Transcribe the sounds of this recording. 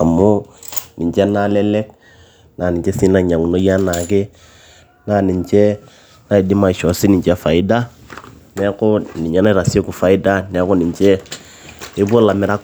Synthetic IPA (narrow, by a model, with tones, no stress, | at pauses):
a˨mʊ˦nɪ˨t͡ʃɛ˦na˦lɛ˦lɛ˦k | na˨nɪ˨ɲt͡ʃɛ˦si˦na˦˨ɲa˨ŋu˨no˦ja˦na˨kɪ˦ | na˨˦˨nɪ˨ɲt͡ʃɛ˦ | na˦i˨dɪ˦ma˨ʃɔ˨sɪ˦nɪ˨t͡ʃɛ˦fa˨ɪ˦da˦ | nɛ˦ko˦nɪ˨ɲa˦na˦i˦ɾa˨si˦o˦ku˨fa˨ɪ˦da˦nɛ˨˦ko˦nɪ˨ɲt͡ʃɛ˦ | ɪ˦bo˦la˨mɪ˨ɾa˦k